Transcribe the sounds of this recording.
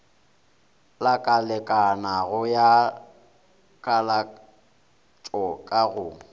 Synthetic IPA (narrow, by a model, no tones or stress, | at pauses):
lakʼalɛkʼanaɣʊja | kʼala | t͡ʃʼɔkʼaɣʊː